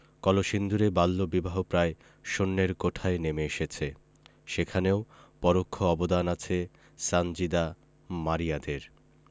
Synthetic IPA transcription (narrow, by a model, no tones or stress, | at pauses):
kɔloʃind̪ʱuɾebalːobibaɦopɾae | ʃonːeɾkoʈʰaenemeeʃet͡ɕʰe | ʃekʰaneopɔɾokʰːoɔbod̪anat͡ɕʰe | sand͡ʑid̪a | maɾijad̪eɾ